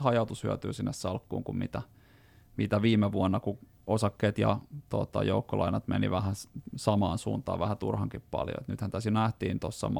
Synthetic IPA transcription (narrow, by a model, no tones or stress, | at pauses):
hɑjɑut̪ushyæt̪yːsinːessɑlkːṵːŋkummit̪æ | mit̪æʋiːmeʋuonːɑku | osɑkːeːt̪jɑ̰t̪ot̪ɑ̰joukːolɑinɑt̪mḛniʋæhæsɑmɑːnsṵːnt̪ɑ̰ːʋʋæhæt̪urhɑŋkippɑ̰ljo̰ḛt̪nyt̪hænt̪æsjonæht̪iːnt̪osːɑ̰m